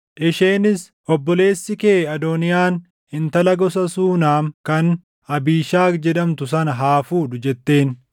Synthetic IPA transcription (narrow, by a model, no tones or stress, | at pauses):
ʔɪʃeːnɪs | ʔɔbːɔle̞ːsːɪkeːɐd̪ɔnɪjaːn | hɪnt̪ɐlɐɡɔs̬ɐsuːnaːmkɐn | ɐbiːʃaːkd͡ʒɛᶑ̪ɐmt̪ʊsɐnɐɦaːfuːd̪ʊd͡ʒɛt̪ːe̞ːn